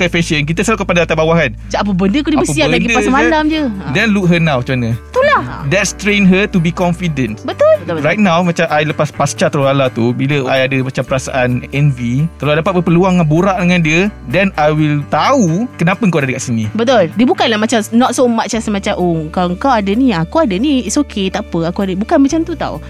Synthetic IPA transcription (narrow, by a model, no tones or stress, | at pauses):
kafeʃənk̬it̪asalukəpadaat̪abawaɦant͡ʃaʔap̬əbəndəkudibəspialanɡidpasamandamd͡ʒədɛnluk̚ɦənãwt͡ʃumanət̪ula̰dɛt̚st̪ɾenɦət̪ubikɔnfidə̃ntbət̪ʊlrajt̪̚nãwmat͡ʃamʔajləpaspast͡ʃat̪əɾolalat̪ubiləajadəmat͡ʃampəɾasa̰ʔanɛnvit̪əloajdapat̪̚bəpəluaŋanbuɾaʔdəŋãndiədɛnajwilt̪aukənapaŋkawadadəkaʔsinibət̪ʊldiəbukanlahmat͡ʃamnɔt̚somat͡ʃasəmãt͡ʃamʔokaloŋkawadəniakuadəniitsokʰet̪apəakuadəbukanmat͡ʃamt̪ut̪a̰ṵ